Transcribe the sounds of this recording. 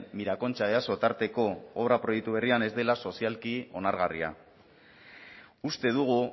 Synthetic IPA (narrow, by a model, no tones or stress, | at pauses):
miɾako̞nt͡ʃaβeaso̞t̪aɾt̪e̞ko̞oβɾapɾo̞jek̚t̪uβ̞e̞riane̞zd̪e̞laso̞sialkio̞naɾɣaria̰ | ust̪e̞ðuɣ̞u